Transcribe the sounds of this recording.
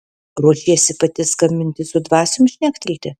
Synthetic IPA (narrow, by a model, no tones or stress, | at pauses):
ɾuɔʃʲiɛsʲɪpɐt̪ʲɪskɐmʲɪnʲt̪ʲɪsʊd̪ʋɑːsʲʊmʃʲnʲæːkt̪ʲɪlʲt̪ʲɪ